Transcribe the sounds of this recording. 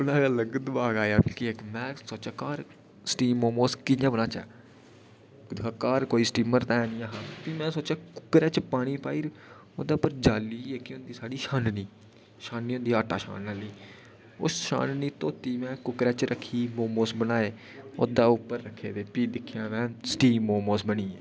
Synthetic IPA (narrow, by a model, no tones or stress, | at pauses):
ʊnaːɡələɡd̪baːɡaːjaːkɪekmɛ̃ːsoːt͡ʃaːkaːɾ | sʈiːmoːmoːskɪnãːbənaːt͡ʃɛ̰ː | d̪akaːɾkoːiːsʈiːməɾt̪aɛːnĩːaɦãːt̪imɛ̃ːsoːt͡ʃaːkʊ̥kɾɛːt͡ʃpaːɽ̃iːpaːiːɾ | oːd̪aːʊpːəɾd͡ʒaːliːekɪʊ̃nd̪iːsaːɽiːʃãːnniː | ʃãːnniːʊːnd̪iːaːʈa̰ːʃa̰ːnnaːliː | ʊ̰sʃa̰ːnniːt̪oːt̪iːmɛ̃ːkʊkɾɛːt͡ʃɾəkʰːiːmoːmoːsbənaːeː | oːd̪aːʊpːəɾːəkʰːeːd̪eːpiːd̪ɪkʰːjãːmɛ̃ːsʈiːmoːmoːsbəɳ̃iːɛː